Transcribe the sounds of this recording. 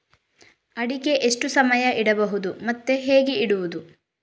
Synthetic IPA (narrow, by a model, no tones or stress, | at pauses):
ɐɽike̞ʔeʂʈusɐmɐjɐʔiɽɐbɐɦud̪umɐt̪ːe̞ɦeːɡeiɽuʋud̪u